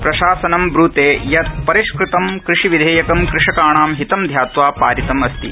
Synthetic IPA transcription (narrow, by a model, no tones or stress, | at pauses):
pɾɐʃaːsɐnɐmbɾuːt̪eːjɐt̪̚pɐɾiʃkɾɪt̪ɐmkɾɪʂiʋid̪ʱeːjɐkɐmkɾɪʂɐkaːɳaːmɦit̪ɐmd̪ʱjaːt̪ʋaːpa̰ːɾit̪ɐmɐst̪ḭ